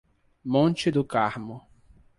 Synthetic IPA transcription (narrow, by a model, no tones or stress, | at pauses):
mõnt͡ʃɪd̪ʊkaɾmʊ